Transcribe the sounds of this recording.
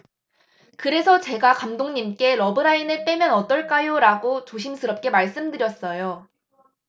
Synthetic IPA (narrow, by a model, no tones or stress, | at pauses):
kɯɾe̞sʰʌt͡ɕe̞ɡakamdoŋɲimk͈e̞ɾʌbɯɾaineɭt͈e̞mjʌnʌt͈ʌɭk͈ajoɾaɡot͡ɕoɕʰimsʰɯɾʌp̚k͈e̞maɭs͈ɯmdɯɾjʌs͈ʌjo